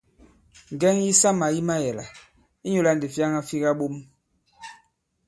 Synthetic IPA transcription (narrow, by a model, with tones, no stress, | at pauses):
ŋ˨ɡɛ˦ŋji˦sa˦ma˨ji˦ma˦jɛ˨la̰˨ | i˦ɲo˨la˦n˨de˨fja˦ŋa˦fi˦ɣa˦ɓo˦m